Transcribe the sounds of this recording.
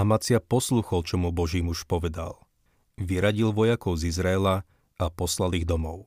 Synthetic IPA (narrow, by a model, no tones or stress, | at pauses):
amat͡sɪapɔsluːxɔlt͡ʃɔmubɔʒiːmuʃpɔʋɛd̪a̰l | ʋiɾaɟilʋɔjakɔʊzizɾaɛla | apɔslaliɣd̪ɔmɔʊ